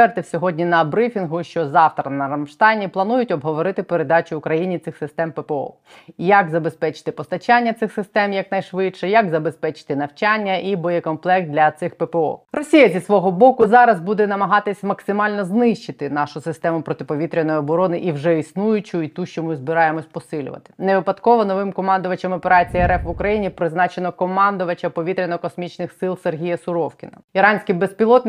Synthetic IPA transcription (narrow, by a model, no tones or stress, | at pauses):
ɛrt̪ɪwsʲɔɦɔdʲnʲinɐbɾɪfʲinɦʊʃt͡ʃɔzɑwt̪ɾɐnɐɾɐmʃt̪ɑjnʲiplˠɐnujʊtʲɔbɦɔʋɔɾɪt̪ɪpeɾed̪ɑt͡ʃʊʊkɾɐjinʲit̪sɪxsɪst̪ɛmpepeɔ̰ | jɐkzɐbespɛt͡ʃɪ̥t̪ɪpɔst̪ɐt͡ʃanʲːɐt̪sɪxsɪst̪ɛmjɐknɐjʃʋɪtʃɛjɐkzɐbespɛt͡ʃɪ̥t̪ɪnɐwt͡ʃanʲːɐʔibɔjɛkɔnplˠɛk̚t̪d̪lʲɐt̪sɪxpepeɔ̰rɔsʲijɐzʲisʋɔɦɔbɔkʊzɑɾɐzbud̪ɛnɐmɐɦɑt̪ɪsʲmɐksɪmɑlʲnɔznɪʃt͡ʃɪt̪ɪnɑʃʊsɪst̪ɛmʊpɾɔt̪ɪpɔʋʲit̪ɾʲɪnɔjɪɔbɔɾɔnɪʔiwʒɛisnujʊt͡ʃʊit̪uʃt͡ʃɔmɪzbɪɾɑjemɔsʲpɔsɪlʲʊ̰ʋɐ̰t̪ɪ̥neʋɪpɐt̪kɔʋɔnɔʋɪmkɔmɑnd̪ʊʋɐt͡ʃɐmɔpeɾat͡sʲijɛɛɾɛfʋʊkɾɐjinʲipɾɪznɑt͡ʃenɔkɔmɑnd̪ʊʋɐt͡ʃɐpɔʋʲit̪ɾʲɪnɔɔkɔsmʲit͡ʃnɪxsɪlˠserɦʲijɐsʊɾɔwkʲɪnɐiɾɑnʲsʲkɪbespʲilˠɔt̪n